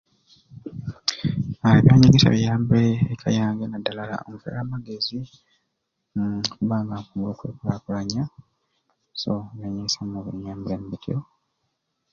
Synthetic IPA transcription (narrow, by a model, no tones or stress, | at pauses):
aiβjaːɲaɡeta̰βijaːmbeːkʰajaːŋɡenadːalala̰o̰muvḛlaːmaɡe̞zi | mukuβaːŋɡaŋkumɡuloːkweːkulaːkulaɲːa | so̰aɲesamuβeɲaːmbuleːmbitʰio